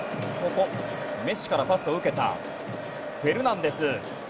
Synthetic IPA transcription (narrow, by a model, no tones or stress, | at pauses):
ko̞ko̞ | me̞ɕi̥kaɾapasɨo̞ɯ̟ke̞t̪a̰ | ɸɯ̟e̞ɾɯ̟nãnd̪e̞sɨ